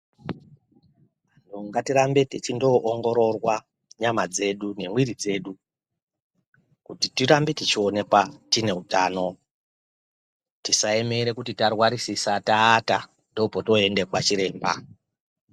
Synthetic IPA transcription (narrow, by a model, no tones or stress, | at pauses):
ʋan̤uŋɡatiɾambe̞tet͡ʃindo̞ʔːŋɡo̞ɾo̞rwa | ɲamad͡ze̞ɗune̞mwiɾid͡ze̞ːɗu | kutitiɾambetit͡ʃio̞ne̞kwatine̞utaːno̞ | tisaeme̞ɾe̞kutitarwaɾisisataːta | ndo̞poto̞e̞nde̞kwat͡ʃiɾe̞ːmba̰